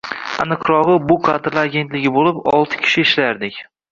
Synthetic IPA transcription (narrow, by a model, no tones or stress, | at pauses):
a̰nɨqʰɾɒʁɨbʊqʰad̪ɾlaɾaɡʲe̞nt̪lɪɡʲɪbolɪpɒ̰lˠt̪ʰɪ̥kʲʰɪ̥ʃɪɪʃlajaɾd̪ɪkʲ